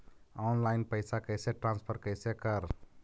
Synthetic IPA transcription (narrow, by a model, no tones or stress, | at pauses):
ɔnlajnpəɪsakəjseʈɾãnspʰəɾkəjsekəɾ